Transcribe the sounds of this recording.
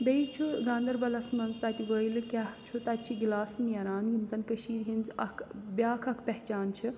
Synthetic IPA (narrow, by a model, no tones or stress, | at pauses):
beit͡ʃʰuɡãːnd̪ɐɾbɐlɐsmɐnzt̪ɐt̪iʋəilɨkʲaɦt͡ʃʰut̪ɐt̪t͡ʃʰiɡilaːsnjɐɾaːnjimzɐnkəʃiːɾɦinzɐkʰbʲjaːkʰɐkʰpɛɦt͡ʃaːnt͡ʃʰi